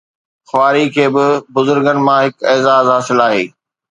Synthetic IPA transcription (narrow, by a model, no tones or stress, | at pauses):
xwaːɾikʰeːbɪbʊzʊɾɡənɪ̆mãɦɪkeːzaːzɦaːsɪlaːɦḛː